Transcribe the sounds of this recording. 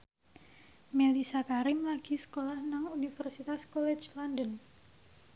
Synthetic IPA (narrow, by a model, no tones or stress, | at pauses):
melisakaɾɪmlaɡ̥i̤sə̥kolahnaŋunifərsit̪askolɛ̥t͡ʃlandən